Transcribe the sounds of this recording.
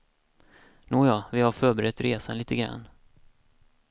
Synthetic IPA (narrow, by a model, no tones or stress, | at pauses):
nuːjɑːvɪhaɾfœːɾbɛɾɛt̪ːɾeːsanliːt̪əɡɾa̰nː